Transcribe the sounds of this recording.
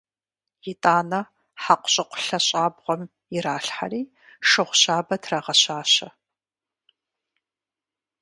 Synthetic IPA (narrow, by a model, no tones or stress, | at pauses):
jɪtʼaːnɐ | ħaqʷʊ̥ɕʼɪqʷʊ̥ɬɐɕʼaːbʁʷɔm | ɪɾaːɬħa̰riː | ʂɨʁʷʊɕaːbɐtʰraʁɐɕaːɕɐ